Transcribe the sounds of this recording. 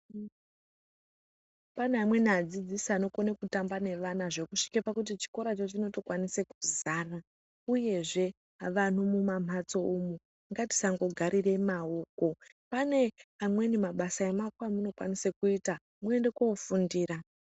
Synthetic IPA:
paneamwe̞nad͡zid͡zisano̞konekutambane̞ʋanaʐe̞kuʂi̥kepakut̬it͡ʃi̥ko̞ɾat͡ʃot͡ʃino̞to̞kwanisekuzaːra | uje̞ʐe̞ | ʋan̤umumamat͡so̞umu | aŋɡati̥saŋɡo̞ɡʱaɾʔire̞mao̞ːko̞ | pane̞amwe̞nimaɓasaemakwamuno̞kwa̰nisekuita | mue̞nde̞kofundiːra

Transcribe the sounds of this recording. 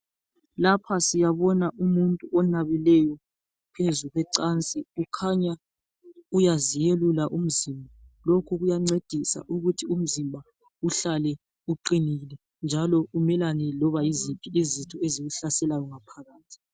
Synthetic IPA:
lapʰasijaβɔnaʔumuntʼuʔɔnaβilɛjɔ | pʰezuɣwɛǀant͡sʼiukʰaɲa | ujazijelulaʔum̩zimbʱalokʰuɣujaŋ͡ǀed̥ʱisa̰ʔuɣutʰium̩zimbʱa | uɬalɛ | uǃinilɛ | nd͡ʒʱalɔumɛlanɛlɔβajizipʰʼiizitʰɔeziɣuɬasɛlajɔŋapʰaɣaːtʰi̥

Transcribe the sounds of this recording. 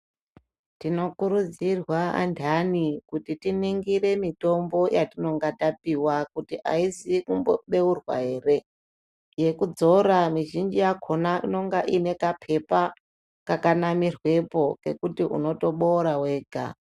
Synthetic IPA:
tino̞kuɾud͡zirwaa̰ndʱanikutitiniŋɡiɾe̞mito̞mbo̞jatino̞ŋɡatapiwakutiʔa̰isikumboɓe̞urwa̰ɦe̞ːre̞ | je̞kud͡zo̞ɾamiʒind͡ʒijakʰo̞naino̞ŋɡaʔine̞kapʰe̞pa | kakanamirwe̞po̞ke̞kutiʔṵno̞to̞ɓo̞ɾawe̞ːɡʱa̰

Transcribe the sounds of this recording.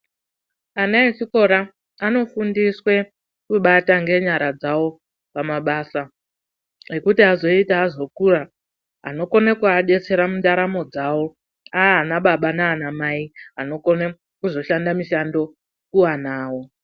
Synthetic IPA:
anaesiko̞ɾa | ano̞fundiswe̞ | kuɓataŋɡe̞ɲaɾad͡zawo̞ | pamaɓaːsa | ekutiɦazo̞itaɦazo̞kura | a̰no̞ko̞nekuaɗe̞t͡se̞ɾamundaɾamo̞d͡zawo̞ | aɦːnaɓaɓanaːnamaiano̞ko̞ne | kuzo̞ʃandamiʃando̞ | kuwanaːwo̞

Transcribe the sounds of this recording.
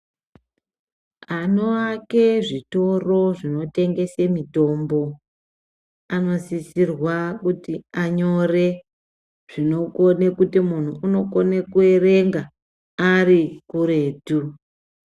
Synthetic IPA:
ano̞ake̞ʐito̞ro̞ʐino̞te̞ŋɡe̞semito̞ːmbo̞ | ano̞sisirwakutiaɲo̞re̞ | ʐ̥ino̞konekutimun̤uːno̞konekue̞re̞ŋɡa | arikuɾe̞ːtu

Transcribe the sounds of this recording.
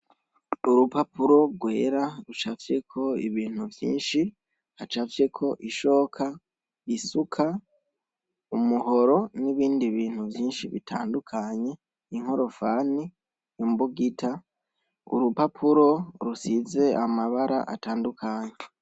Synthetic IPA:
uɾupapuɾo̞ɡwe̞ːɾaɾut͡ʃafje̞kʰo̞iβiːn̥huvjḭːnʃi | hat͡ʃafje̞kʰo̞ʔiʃo̞ːkʰa | isukʰa | umuɦo̞ɾo̞niβiːndiβiːn̥huvjiːnʃiβḭtʰa̰ːndukʰaɲe̞ | iŋ̥ho̞ɾo̞faːni | imbuɡitʰa | ṵɾupapʰuɾo̞ɾusize̞ʔamaβaɾa̰ʔa̰taːndukʰaɲe

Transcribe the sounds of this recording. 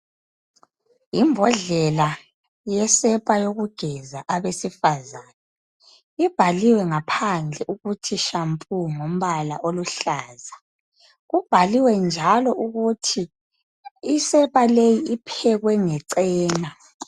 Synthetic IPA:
imbʱɔɮɛla | jɛsɛpʼajoɣuɡ̥ʱɛzaʔaβesifazaːna | ib̥ʱaliwɛŋapʰand͡ɮʱɛʔuɣutʰiʃampʼuŋom̩βalaʔoluɬaːza | ɣub̥ʱaliwɛnd͡ʒʱalɔʔuɣutʰiː | sɛpʼalejiipʰɛɣwɛŋɛǀɛːna

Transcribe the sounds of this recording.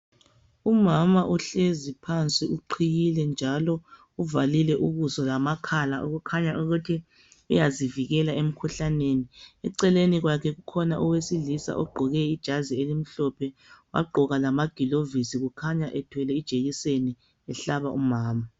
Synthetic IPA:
umamaʔuɬezipʰant͡sʼiuǃʰijilɛnd͡ʒʱalɔ | uvalilɛʔuɣusɔlamakʰalaʔṵɣukʰaɲaʔuɣutʰi | ujaziviɣɛlaem̩kʰuɬaneniɛǀɛleniɣwakʰɛɣukʰɔnaʔɔwesilisa̰ʔɔɡ͡ǃʱɔɣɛid̥ʒ̥ʱazielim̩ɬɔpʰɛwa̰ɡ͡ǃʱɔɣalamaɡ̥ʱilovisiɣukʰaɲaʔɛtʰwɛlɛid̥ʒ̥ʱejiseni | ɛɬaβaʔumaːma

